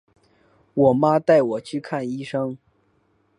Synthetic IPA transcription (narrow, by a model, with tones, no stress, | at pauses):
wɔ˨˩ma˥t̪a˥˩ɪwɔ˨˩t͡ɕʰy˥˧kʰa˥˩ni˥ʂɤ˥ŋ